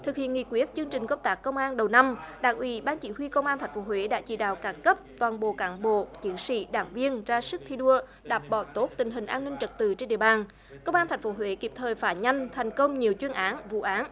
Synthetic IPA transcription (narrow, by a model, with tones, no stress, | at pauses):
t̪ʰɨ˨˩k̚hḭ˧˨ənŋḭ˧˨kwi˦˥ət̚t͡ɕɨ˧əŋt͡ɕï˨˩ŋ̟kə˦˥p̚t̪aː˦˥kːə˧wŋ͡mʔaː˧nɗə˨˩wna˧mɗaː˧˩ŋʔwḭ˨˩˦ɓaː˧nt͡ɕḭ˧˩˦hwi˧kə˧wŋ͡mʔaː˧nt̪ʰa˨˩j̟fo˨˦ɦwe˧˦ɗa̰ː˧˥t͡ɕḭ˧˩ɗa̰ː˧˨wkaː˨˩ŋkə˦˥p̚t̪waː˨˩nɓo̰˧˨kaː˨˦nɓo̰˧˨t͡ɕi˨˦ənsḭ˧˥ɗa̰ː˧˩ŋvi˧ənzaː˧sɨ˦˥k̚t̪ʰi˧ɗu˧ə | ɗaː˨˩p̚ɓɔ̰˧˩t̪o˦˥t̚t̪ï˨˩ŋ̟ɦï˨˩ŋ̟ʔaː˧nːï˧ŋ̟t͡ɕə˨˩t̚t̪ɨ˧˨t͡ɕe˧nɗḭ˧˨əɓaː˨˩n | kə˧wŋ͡maː˧nt̪ʰɛ˨˩jŋ̟fo˨˦ɦwe˧˨˦ki˨˩p̚t̪ʰəː˨˩jfaː˧˩ɲa˧jŋ̟t̪ʰɛ˨˩jŋ̟kə˧wŋ͡mɲi˨˩əwt͡ɕwi˧ənʔaː˨˦nvṵ˧˨ʔaː˨˦n